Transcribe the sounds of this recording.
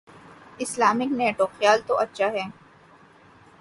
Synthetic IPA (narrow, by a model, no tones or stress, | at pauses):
ɪslaːmɪkneːʈoxjaːlt̪oʔɐtːʃʰaɦɛː